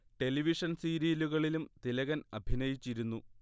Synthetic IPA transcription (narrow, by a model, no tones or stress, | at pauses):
ʈe̞liʋiʂɐnsiːɾiːluɣɐɭilumt̪ilɐɣɐnɐbʱinɐjit͡ɕːiɾunːu